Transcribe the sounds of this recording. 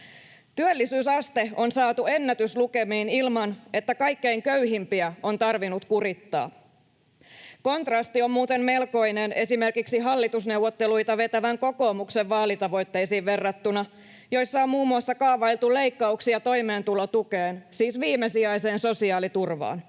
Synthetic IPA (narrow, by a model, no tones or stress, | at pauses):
t̪yølːisyːsɑst̪e̞o̞nsɑːt̪ue̞nːæt̪ysluke̞miːnilmɑne̞t̪ːækɑjkːe̞iŋkøyɦimpiæo̞nt̪ɑrʋinut̪kurit̪ːɑ̰ː | ko̞nt̪rɑst̪io̞mmuːt̪e̞mmelko̞jnene̞sime̞rkiksiɦɑlːit̪usne̞wʋot̪ːelujt̪æʋe̞t̪æʋæŋko̞ko̞ːmukseʋʋɑːlit̪ɑʋo̞jt̪ːe̞jsiːʋʋe̞rːɑt̪ːunɑ | jo̞jsːɑommuːmːuɑsːɑkɑːʋɑilt̪ule̞jkːɑuksiɑt̪o̞jme̞ːnt̪ulːot̪ukeːnsiːsʋiːmesiɑjse̞ːnso̞siɑːlit̪urʋɑ̰ːn